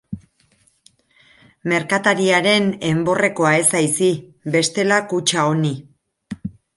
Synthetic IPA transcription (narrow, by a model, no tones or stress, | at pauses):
me̞ɾkat̪aɾiaɾe̞ne̞mbo̞re̞ko̞ae̞sajsibe̞st̪e̞lakut͡ʃao̞ni